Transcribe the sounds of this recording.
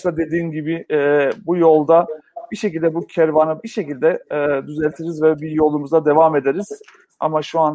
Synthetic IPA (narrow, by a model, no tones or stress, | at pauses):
t̪ad̪e̞d̪iːnɟibɪbujo̞lˠd̪abiʃe̞cilʲd̪ɛbucʰɛɾvanɯbiʃe̞cilʲd̪ɛd̪yzɛlʲt̪ʰiɾizvɛbijo̞lˠumuzad̪e̞vame̞d̪eɾiz̥ | a̰maʃuan